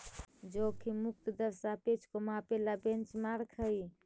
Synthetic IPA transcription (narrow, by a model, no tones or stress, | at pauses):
d͡ʒokʰimuk̚t̪əd̪əɾsapet͡ʃkomapelabẽnt͡ʃmaɾkʰəi